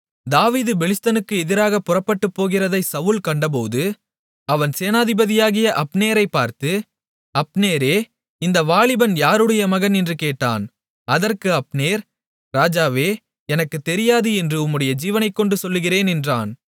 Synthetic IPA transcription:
d̪aːʋiːðɯbɛlɪst̪ɐnɯkːɯɛðɪɾaːɣɐpʊrɐpːɐʈːɯpːoːɣɪrɐðɐɪsɐʋɯlkɐɳɖɐp̬oːðɯ | ɐʋɐnseːnaːðɪbɐðɪjaːɣɪjɐʔɐpneːɾɐɪpːaːɾt̪ɯ | ɐpneːɾeː | ɪnd̪ɐʋaːɭɪbɐnjaːɾɯɽɐjɐmɐɣɐnɛndrɯkeːʈːa̰ːn | ɐðɐrkɯɐpneːɾ | ɾaːd͡ʒaːʋeː | ɛnɐkːɯt̪ːɛɾɪjaːðɯɛndrɯʊmːɯɽɐjɐd͡ʒiːʋɐnɐɪkːɔɳɖɯsɔlːɯɣɪreːnɛndra̰ːn

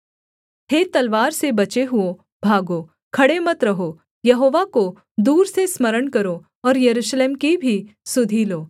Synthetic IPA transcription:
hʰet̪ɐlʋaːɾsebɐt͡ʃeɦʊo | bʱaːɡoː | kʰɐɽemɐt̪ɾɐɦoː | jɐɦoːʋako | d̪uːɾsesməɾəɽkɐɾo | ɔːɾjɐɾuːʃleːmkibʱisʊd̪ʱiloː

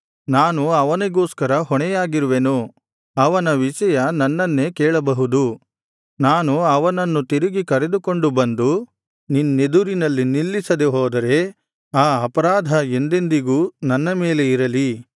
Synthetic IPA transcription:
naːnuɐʋɐneɡoːskɐɾɐɦɔɳɛjaːɡiɾuʋenu | ɐʋɐnɐʋiʃɐjɐnɐnːɐnːe̞kɛːɭɐbɐɦud̪u | naːnuɐʋɐnɐnːut̪iɾiɡikɐɾe̞d̪ukoɳɖubɐnd̪u | ninːe̞d̪uɾinɐlːinilːisɐd̪eɦɔːd̪ɐɾe̞ | aːɐpɐɾaːd̪ʱɐe̞nd̪e̞nd̪iɡuːnɐnːɐmeːle̞iɾɐli

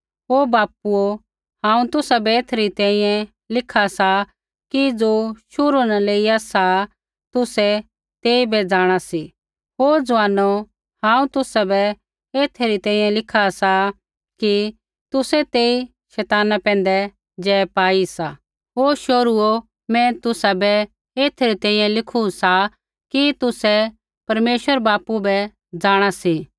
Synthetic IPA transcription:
ɦoːbaːpuo | hãːũt̪ʊsabɛeːt̪ʰɾit̪ɛ̃ːĩjɛ̃ | lɪkʰasa | kid͡zoːʃʊɾunaleːiasa | t̪ʊsɛ | t̪eːibɛd͡zaːɽ̃asi | ɦoːd͡zʋaːno | hãːũt̪ʊsabɛ | eːt̪ʰɾit̪ɛ̃ːĩjɛ̃lɪkʰasa | ki | t̪ʊsɛt̪eːi | ʃɛːt̪aːnapɛ̃ːnd̪ɛ | d͡ʒɛːpaːisa | ɦoːʃoːɾuo | mɛ̃t̪ʊsabɛ | eːt̪ʰɾit̪ɛ̃ːĩjɛ̃lɪkʰusa | kit̪ʊsɛ | pɐɾmeːʃʋəɾbaːpubɛ | d͡zaːɽ̃asi

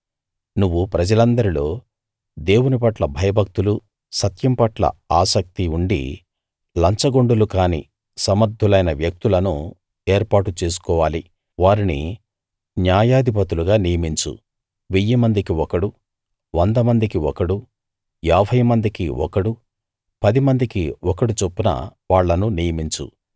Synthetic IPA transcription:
nuʋːupɾɐd͡ʒɐlɐnd̪ɐɾilo̞ː | d̪e̞ːwunipɐʈlɐbʱɐjɐbʱɐk̚t̪ulu | sɐt̪jɐmpɐʈlɐ̰aːsɐk̚t̪iuɳɖḭ | lɐɲt͡ʃɐɡoɳɖulukaːnḭ | sɐmɐɾd̪ʱːulɐjnɐʋjɐk̚t̪ulɐnu | eːɾpaːʈut͡ʃe̞ːs̬u̥kɔːʋaːli | ʋaːɾinḭ | njaːjaːd̪ʱipɐt̪uluɡaːnijɐmiɲt͡ʃṵ | ʋijːimɐnd̪ikiɔkɐɽu | ʋɐnd̪ɐmɐnd̪ikiɔkɐɽu | jɛːbʱɐjmɐnd̪ikiɔ̰kɐɽu | pɐd̪imɐnd̪ikiɔkɐɽut͡ʃopːunɐ̰ʋaːɭːɐnunijɐmiɲt͡ʃṵ

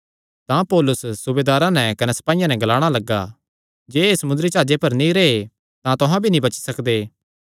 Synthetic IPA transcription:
t̪ãpoːlʊsːʊbeːd̪aːɾãnɛ̃kɐnɛsɐ̥paːijãnɛ̃ɡɐlaːɽ̃alɐɡːa̰ː | d͡ʒeːesɐmʊnd̪ɾit͡ʃaːd͡ʒepɐɾnĩɾee | t̪ãt̪ʊɦãbʱinĩbɐt͡ʃsɐkd̪eː

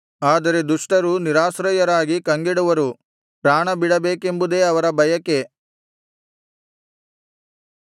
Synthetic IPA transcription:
aːd̪ɐɾe̞d̪uʂʈɐɾuniɾaːsɾɐjɐɾaːɡikɐŋɡiɽuʋɐɾu | pɾaːɳɐbiɽɐbe̞ːke̞mbud̪e̞ɐʋɐɾɐbʱɐjɐkːe̞

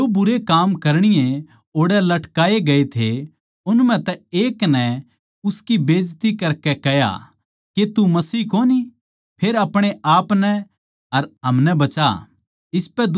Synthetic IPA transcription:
obʊɾekaːmkɐɾɽ̃ɪjẽ | oːɽɛlɐʈkaːeɡɐet̪ʰe | ʊnm̤ɛ̃t̪ɛeːknɛ | ʊskibeːd͡ʒt̪ikɐɾkɛkɛja̰ | ket̪umɐsiːkoːni | pʰeːɾɐpɽ̃eʔaːpnɛ | ɐɾɦɐmnɛbɐt͡ʃa̰ | ɪspɛd̪

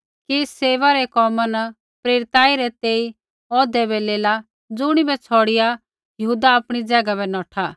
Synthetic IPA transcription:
kiseːʋaɾɛkɔːmanɐ | pɾeːɾɪt̪aːiɾɛt̪eːi | ɔːd̪ɛbɛleːla | d͡zʊɽ̃ibɛt͡sʰɔːɽɪja | jɦuːd̪aːpɽ̃id͡zɛːɡabɛnɔːʈʰa

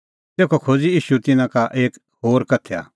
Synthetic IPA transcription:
t̪eːkʰokʰoːd͡ziiːʃut̪ɪnãkaʔeːk | ɦoːɾkɐt̪ʰea̰ː

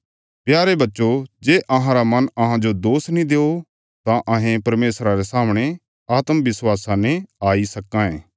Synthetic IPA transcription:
pjaːɾebɐtːʃod͡ʒeːʔɐɦãɾamɐnɐɦãd͡ʒod̪oːsnĩd̪eːo | t̪ãʔɐɦẽpɐɾmeːsɾaɾesaːmɽ̃e | aːt̪mʋɪswaːsãneaːisɐkːãẽː

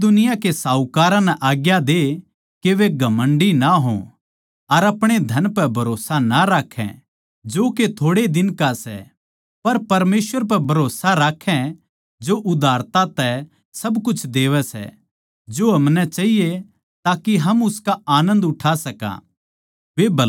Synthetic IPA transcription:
d̪ʊnɪjakesaːukaːɾãnɛʔaːɡjad̪e | keʋeɡʱɐmə̃ɳɖinaɦõ̰ | ɐɾɐpɽ̃ed̪ʱɐnpɛbʱɐɾoːsanaɾaːkʰːɛ̰̃ | d͡ʒoːket̪ʰoːɽed̪ɪnkasɛ̰ | pɐɾpɐɾmeːsʋəɾp̬ɛbʱɐɾoːsaɾaːkʰːɛ̃ | d͡ʒoʔʊd̪ʱaːɾt̪at̪ɛ | sɐbkʊt͡ʃʰd̪eːʋɛsɛ̰ | d͡ʒoɦɐmnɛt͡ʃaɦije | t̪aːkiɦɐmʊskaaːnə̃nd̪ʊʈʰasɐkã̰ː | ʋebɐ

